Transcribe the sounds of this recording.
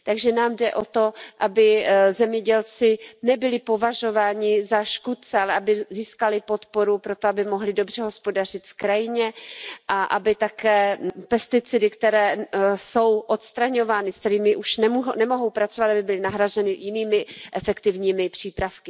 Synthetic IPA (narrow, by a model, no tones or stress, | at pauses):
t̪aɡʒɛnaːmdɛʔo̞t̪o̞ʔabɪzɛmɲɛɟɛlt͡sɪnɛbɪlɪpo̞vaʒo̞vaːɲɪzaʃkut̪̚t͡sɛalɛʔabɪziːskalɪpo̞t̪po̞ɾupɾo̞t̪oabɪmo̞ɦlɪdo̞br̝ɛɦo̞spo̞dar̝̥ɪt̪fkɾajɪɲɛʔaʔabɪt̪akɛːpɛst̪ɪt͡sɪdɪkt̪ɛɾɛːso̞wʔot̪st̪ɾaɲo̞vaːnɪst̪ɛɾiːmɪʔuʃnɛmuɦnɛmo̞ɦo̞wpɾat͡sovat̪abɪbɪlɪnaɦɾazɛnɪjɪniːmɪʔɛfɛkt̪ɪvɲiːmɪpr̝̥iːpɾafkɪ